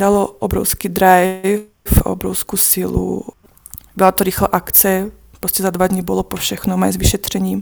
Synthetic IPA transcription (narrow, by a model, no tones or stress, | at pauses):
d̪alɔʔɔbɾɔ̰ʊskiːd̪ɾaj | fɔ̰bɾɔ̰ʊskusilṵ | bɛlat̪ɔɾixlɛʔakt͡sɛ | pɾoscɛzad̪ʋad̪ɲibɔlɔpɔfʃɛxnɔmajzʋiʃɛt̪r̝̥ɛɲiːm